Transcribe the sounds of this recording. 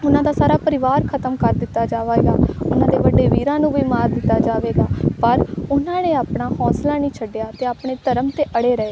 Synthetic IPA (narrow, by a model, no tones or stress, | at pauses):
ʊnãːd̪aːsaːɾaːpəɾɪʋaːɾkʰət̪əmkəɾd̪ɪt̪ːaːd͡ʒaːʋeɡaːʊnãːd̪eːʋəɖeːʋiːɾãːnũːbʱiːmaːɾd̪ɪt̪ːaːd͡ʒaːʋeːɡaːpəɾʊnãːnẽːaːpɳaːhɔːslaːnĩːt͡ʃʰəɖjaːt̪eːaːpɳeːd̪əɾəmt̪eːʔəɽeːɾəeː